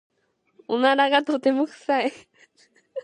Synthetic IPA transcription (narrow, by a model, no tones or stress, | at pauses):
onaɾaɡat̪ot̪e̞mokɯ̟̥sai